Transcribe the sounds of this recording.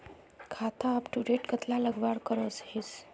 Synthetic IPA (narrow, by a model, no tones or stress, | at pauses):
kʰat̪ʰaːpʈuɽeʈkət̪ʰlaləɡʋaɽkəɾoshis